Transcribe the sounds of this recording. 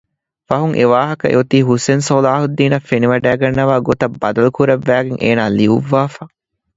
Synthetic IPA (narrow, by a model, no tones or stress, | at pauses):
fɐɦuŋʔeʋaːɦɐkɐʔḛut̪iːɦusensolaːɦud̪ːiːnɐfːeniʋɐɖæːɡɐnːɐʋaːɡot̪ɐbːɐd̪ɐlukuɾɐʋːæːɡeŋʔḛːnaːliuʋːaːfɐ